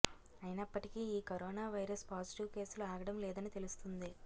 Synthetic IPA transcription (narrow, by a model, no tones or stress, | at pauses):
ɐjinɐpːɐʈikiiːkɐɾɔːnaːʋɐjɾɐspaːd͡ʒiʈiʋke̞ːsluaːɡɐɽɐmlɛːd̪ɐnit̪e̞lust̪und̪i